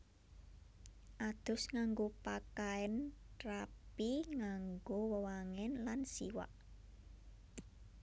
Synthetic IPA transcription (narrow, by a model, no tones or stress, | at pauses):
ʔad̪̥ʊ̤sŋaŋɡopakaɛnrapiŋaŋɡowəwaŋɛnlansḭwa̰ʔ